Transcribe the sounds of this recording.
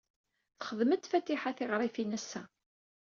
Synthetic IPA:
θχəðmət̪ːfæt̪ːiħaθɪʁɾˤifinæsːæ

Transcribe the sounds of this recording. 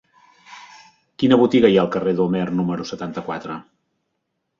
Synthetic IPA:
kinəβut̪iɣəjaəlˠkəreðəlˠmɛrnuməɾusət̪ant̪əkwat̪ɾə

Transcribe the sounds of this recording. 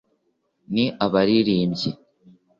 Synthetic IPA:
niʔaβaɾiɾiːmɟi

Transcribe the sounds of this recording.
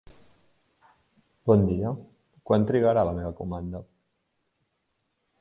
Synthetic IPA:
bɔnd̪iə | kwant̪ɾiɣaɾaləmeβ̞əkumand̪ə

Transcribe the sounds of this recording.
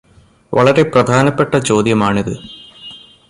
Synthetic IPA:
ʋɐɭɐɾe̞prɐd̪ʱaːnɐpːeʈːɐt͡ɕo̞ːd̪jɐmaːɳiðɨ

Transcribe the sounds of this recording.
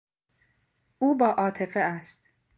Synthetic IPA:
uːbɒːʔɒːt̪ʰe̞feæst̪

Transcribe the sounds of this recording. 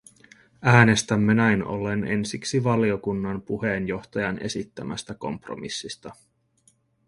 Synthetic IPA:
æːne̞st̪æmːenæjno̞̰le̞nʔe̞nsiksiʋɑlio̞kunːɑnpuɦe̞ːnjo̞xt̪ɑjɑne̞̰sit̪ːæmʔæst̪æko̞̰mpro̰misːist̪ɑ

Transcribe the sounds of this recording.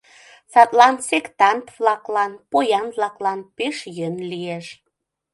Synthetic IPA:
sɑt̪lɑnsekt̪ɑnt̪βlɑklɑnpojɑnβlɑklɑnpeʃjənlieʃ

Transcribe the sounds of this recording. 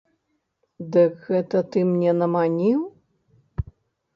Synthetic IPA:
d̪ɨkɣɛt̪ɐt̪ɨmnʲɛnɐmanʲiw

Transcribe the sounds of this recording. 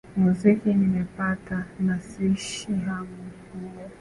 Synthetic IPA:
muzikinimɛpatanasiʃiɦamukulɛ

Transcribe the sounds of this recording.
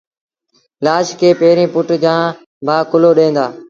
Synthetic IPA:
laːʃkʰeːpeːɾĩːpʊʈd͡ʑãː | bʱaːkʊloːɗẽːnd̪aː

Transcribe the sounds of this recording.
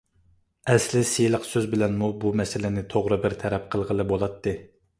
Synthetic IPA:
ɛslɪsejlˠəqsøzbɪlɛnmubumɛsɪlɪnɪt̪ʰoʁɾɨbɪɾt̪ʰɛɾɛp̚qʰəlˠʁəlˠɨbolˠɑt̪ʰːɨ

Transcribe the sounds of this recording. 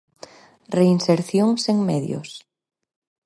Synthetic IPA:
reinseɾθjoŋseŋmɛðjo̰s

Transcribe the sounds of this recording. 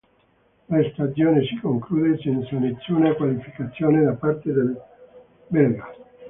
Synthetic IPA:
last̪asjoːnesi̥koŋkluːd̪esɛnt̪salet̪sːjoːneakwalifikat̪sːjoːned̪apart̪ed̪el | bɛra

